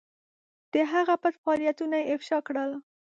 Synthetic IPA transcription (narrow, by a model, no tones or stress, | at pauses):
d̪̥əɦaɣapat̪faɑlijat̪unajeɪfʃɑkɽəl